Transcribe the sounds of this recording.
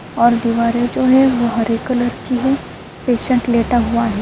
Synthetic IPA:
ɔːɾd̪iʋaːɾed͡ʒoːɦɛʋoɦəɾikələɾkiɦe | peːʃə̃ɳʈleːʈaɦuaɦɛː

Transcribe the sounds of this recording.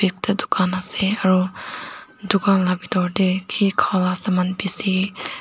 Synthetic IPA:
bik̚t̪əd̪u̥kʰanaseaɾu | d̪ukanlabid̪ɔɾdekʰikʰalasəmanbisi

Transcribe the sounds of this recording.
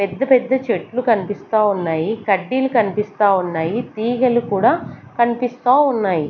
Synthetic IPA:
pɛd̪ːɐpɛd̪ːɐt͡ʃeʈːlukɐnipist̪aːunːaːjikɐɖːiːlukɐnipist̪aːunːaːjit̪iːɡɐlukuːɽaːkɐnipist̪aːunːaːji

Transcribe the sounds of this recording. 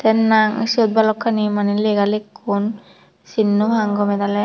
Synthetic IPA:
t̪ɛnːaŋsod̪̚balɔkʰːanimanilɛɡalekːun | sinːubʱaŋɡɔmɛd̪alɛ

